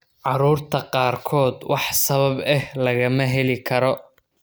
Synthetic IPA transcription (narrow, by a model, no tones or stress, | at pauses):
ʕɑɾuːrt̪ʰɐqɑːrkʰɔːd̪wʔɑħsɐβɐbɛhlɐɣɐmɐɦɛlɪkʰɐɾɔ